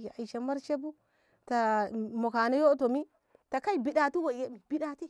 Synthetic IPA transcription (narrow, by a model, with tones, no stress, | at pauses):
je˨a˨jʃe˨ma˦ɾt͡ʃe˦bu˦ | ta˨mo˨ka˨na˦jo˦to˨mi˦ | ta˨ka˦jbi˨ɗa˨ti˦wa˨je˦mi˨bi˨ɗa˨ti˦